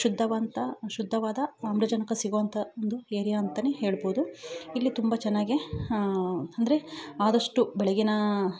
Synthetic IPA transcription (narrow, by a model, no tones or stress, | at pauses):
ʃud̪ʱːɐʋɐnt̪ɐʃud̪ʱːɐʋaːd̪ɐɐmbɾɐd͡ʒɐnɐkɐsiɡoʋɐnt̪ʰɐond̪ueːɾijaːnt̪ɐneɦeːɭboːd̪uilːit̪umbɐt͡ʃɛnːaːɡi | ɐnd̪ɐɾe̞aːd̪ɐʂʈubɛɭeɡinɐ